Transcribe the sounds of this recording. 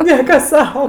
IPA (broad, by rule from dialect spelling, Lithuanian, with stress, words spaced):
ˈnʲiɛkɐ ˈsɐʊ